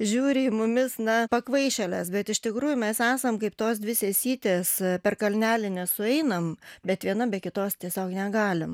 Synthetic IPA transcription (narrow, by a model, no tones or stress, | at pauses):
ʒʲuːɾʲɪmʊmʲɪsnɐpɐkʋɐɪʃʲɛlʲɛsbʲɛt̪ɪʃt̪ʲɪkɾuːjʊmʲɛsæːsɐmkɐɪpt̪oːsd̪ʲʋʲɪsʲeːsʲiːt̪ʲeːspʲɛrkɐlʲnʲæːlʲɪnʲɛsʊɛɪnɐmbʲɛt̪ʋʲiɛnɐbʲɛkʲɪt̪oːst̪ʲiɛsʲoːknʲɛɡɑːlʲɪm